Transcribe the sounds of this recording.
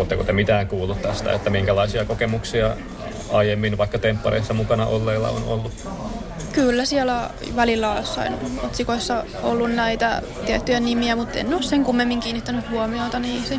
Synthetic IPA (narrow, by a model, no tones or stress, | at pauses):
oːt̪ːekut̪emit̪æːŋkuːlːˑut̪t̪æst̪æ̰et̪ːæmiŋkælɑisiɑkokemuksiɑ | ɑjemːinʋɑikːɑt̪empːɑɾḛisːɑmukɑnɑʔolːeilːɑ̰o̰no̰lːu | kylːæsiɛlæ | ʋælilːæosːɑ̰ino̰t̪sikoisːɑ | o̰lːunnæit̪æ̰ | t̪iet̪ːyjænimiæmut̪ːḛnːosseŋkumːemːiŋkiːnːit̪ːænyhhuomiot̪ɑniːse